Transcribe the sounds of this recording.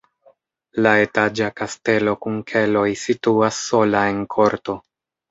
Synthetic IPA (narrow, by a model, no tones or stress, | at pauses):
lae̞tad͡ʒakaste̞lo̞kuŋkʰe̞lo̞jsituasːo̞lae̞nkʰo̞ɾto̞